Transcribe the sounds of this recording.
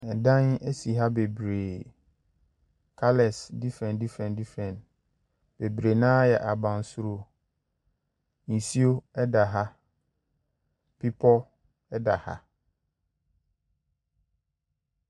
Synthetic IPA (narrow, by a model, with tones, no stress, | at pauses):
ɛ˨dã˦ne˦si˨ɦa˦be˨bɾe˨ | kʰa˦lɛ˨sdi˦fɾɛ̃˨ndi˦fɛ̃˨ndi˦fɾɛ̃˨n | b̥e˨bɾe˨nãː˦jɛ˨ʔa˨bã˨n˨su˦ɾo˦ | n̩˨si˦o˦ɛ˦da˨ɦa˦ | pʰi˦pʰɔ˦ | ɛ˦da˨ha̰˦